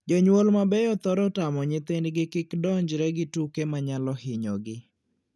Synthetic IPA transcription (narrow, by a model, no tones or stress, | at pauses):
d͡ʒɔɲwolmabɛjɔt̪ɔɾɔtamɔɲɪt̪endɡɪkɪkdɔɲd͡ʒɾɛɡɪtukemaɲalɔhɪɲɔɡɪ